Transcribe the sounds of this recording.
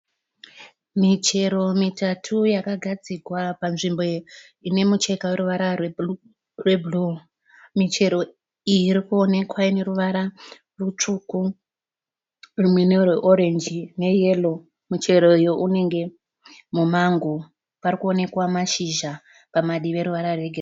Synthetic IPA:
mit͡ʃe̞ɾo̞mitatʰujakaɡʱad͡zikwapanʐimbo̞ | ine̞mut͡ʃe̞kaweɾuʋaɾawe | rwebʱlu | mit͡ʃe̞ɾo̞ | ijiɾikuo̞ne̞kwaine̞ɾuʋaɾa | rut͡ʂuku | rimwenerweʔoɾe̞nd͡ʒine̞je̞lo̞ | mut͡ʃe̞ɾo̞joʔune̞ŋɡe̞ | mumaŋɡo | parikuo̞ne̞kwamaʃiʒa | pamaɗiʋe̞ɾuʋaɾarwe̞ɡʱer

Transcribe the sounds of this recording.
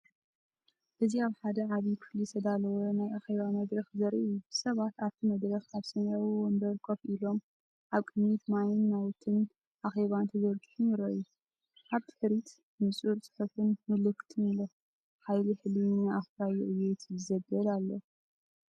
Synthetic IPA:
ʔɨziaβħad̪ɐʕaβikʰɨ̥flit̪ʰɐd̪alɐwonajʔaxe̞βamɐd̪ɾɐxzɐɾiuɨsɐβat̪aβt̪ʰimɐd̪ɾɐxaβsɐnawiwombɐɾkʰofilo̞m | ʔaβkʼɨnːit̪manɨnːawt̪ʰɨn | ʔaxe̞βant̪ʰɐzɐɾɡɨħuniɾoju | ʔaβt̪ʰɨ̥ħɾit̪ | nɨsʼuɾt͡sʼɨ̥ħɨfɨnmɨlɨkt̪ʰɨnilo | ħajliħɨlinaaxfajuʔɨjet̪jɨzɐbɐlalːo

